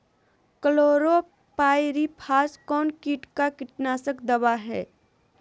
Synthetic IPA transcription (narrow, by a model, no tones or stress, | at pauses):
kəloːɾo | paːjɾipʰaːskɔːnkiːʈkakɪʈnaːsəkd̪ɐbaɦɛː